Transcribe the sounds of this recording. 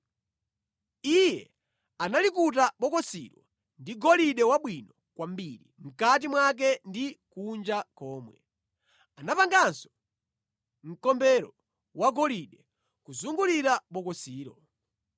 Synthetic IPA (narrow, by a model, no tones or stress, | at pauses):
ijɛ | analikutaɓɔkɔsḭɾwɔ̰ | ndiɡɔliɗɛwaɓwinɔ | kwam̩biɾḭm̩kat̬imwak̬ɛndikund͡ʒakɔːmwɛ̰ | anapaŋɡansɔ̥ | m̩kɔmbɛɾɔ | waɡɔliɗɛ | kuzuŋɡuliɾaɓɔkɔsiːɾɔ